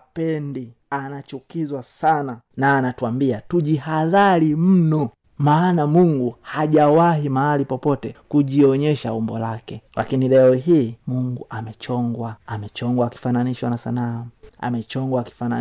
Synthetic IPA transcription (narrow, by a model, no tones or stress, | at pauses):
pɛndi | anat͡ʃukizwasana | naːnatuambiatuʄihaðaɾim̩nɔ | maːnamuŋɡuhaʄawahimahalipɔpɔtɛkuʄiɔɲɛʃaumbɔlakɛla̰kinilɛɔɦiːmuŋɡuʔamɛt͡ʃɔŋɡwaamɛt͡ʃɔŋɡwaki̥fananiʃwanasa̰naːa̰mɛt͡ʃɔŋɡwaki̥fana